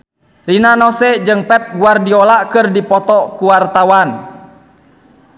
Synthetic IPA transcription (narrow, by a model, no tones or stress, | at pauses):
rinanɔsɛd͡ʒɨŋpɛp̚ɡuardiɔlakɨrdipɔt̪ɔkuwart̪awan